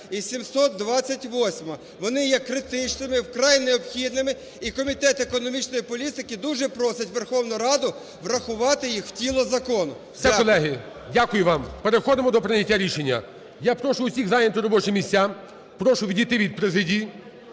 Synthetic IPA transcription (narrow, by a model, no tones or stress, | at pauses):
isʲimsɔt̪̚d̪ʋɑt͡sʲːɐtʲʋɔsʲmɐ | ʋɔnɪjɛkːɾɪt̪ɪt͡ʃnɪmɪwkɾɑjnɛɔbxʲid̪nɪmɪ | ikɔmʲit̪ɛt̪ekɔnɔmʲit͡ʃnɔjipɔlʲit̪ɪkɪd̪uʒɛpɾɔsɪtʲʋerxɔwnʊɾɑd̪ʊ | ʋɾɐxʊʋɑt̪ɪjixw̥tʲilˠɔzɐkɔnʊ | sʲɛkɔlˠɛɦɪ | dʲakʊjʊʋɑmpeɾexɔd̪ɪmɔd̪ɔpɾɪnʲɐtʲːaɾʲiʃenʲːɐ̰ | japɾɔʃʊʊsʲiɣzajʲent̪ʊɾɔbɔt͡ʃɪmʲisʲtʲa | pɾɔʃʊʋʲidʲijt̪ɪʋʲid̪̚pɾezɪdʲiji